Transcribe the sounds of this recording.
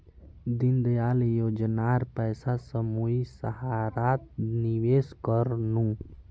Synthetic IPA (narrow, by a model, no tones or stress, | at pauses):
d̪ind̪jaljoːd͡ʒnaɾpəɪsasəmuisəɦaɾat̪̚niʋeːskəɾnũ